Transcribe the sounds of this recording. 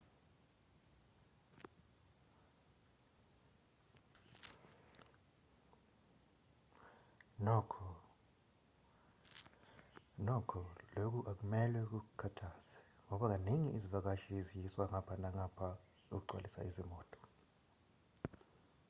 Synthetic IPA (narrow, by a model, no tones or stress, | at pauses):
nɔkʰɔ | nɔkʰɔlok̬uʔak̬umɛlwɛk̬uk̬ukʰatʰaːsɛ̥ŋɔɓak̬aneŋiʔizivak̬aʃizijiswaŋapʰanaŋapʰa | uk̬uǃwa̰lisa̰izimɔːtʼɔ̥